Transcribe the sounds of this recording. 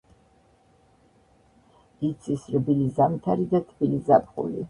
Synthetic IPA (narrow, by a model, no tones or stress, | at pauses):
it̪sʰisrbilizamt̪ʰaɾid̪at̪ʰbilizapʰʼχṵlḭ